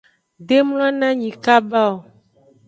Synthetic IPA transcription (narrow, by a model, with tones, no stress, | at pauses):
ɖe˦m˦l̃ã˦nã˦ɲĩ˨ka˦ba˦o˨